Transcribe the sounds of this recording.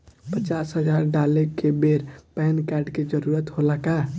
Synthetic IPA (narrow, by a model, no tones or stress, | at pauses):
pət͡ʃasɦəd͡ʒaɾɖalekebeɾpɛɦnkaɾɖked͡ʒəɾuɾət̪ɦoləka